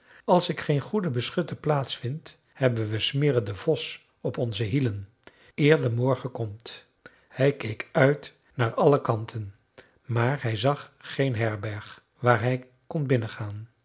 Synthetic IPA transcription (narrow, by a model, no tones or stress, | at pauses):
ɑlˠsɪkχejnχudəbəsχʏtəplaːtsfɪnt | hɛbənʋəsmɪːɾəndəv̥ɔs | ɔpɔnzəɦilən | ɪːɹdəmɔɹχəkɔmt | hɛjkejkœɥt | naːɹɑləkɑntʰən | maːɹɦɛjzɑχχejnɦɛɹbɛɹχ | ʋaːɹɦɛj | kɔnbɪnəχaːn